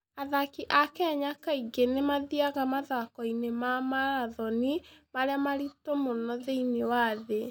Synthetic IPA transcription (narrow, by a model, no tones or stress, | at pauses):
aðakiʔakɛɲakaiɡenemaðiaɣamaðakɔinemamaɾaðɔnimaɾeamaɾitomonɔðeinewaðe